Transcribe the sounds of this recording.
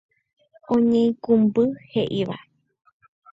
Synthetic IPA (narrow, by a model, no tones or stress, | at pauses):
õɲẽĩkũmbɨheʔiʋa̰